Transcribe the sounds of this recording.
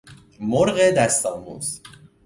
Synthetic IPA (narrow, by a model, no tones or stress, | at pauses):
moɾɣed̪æst̪ɒːmṵːz̥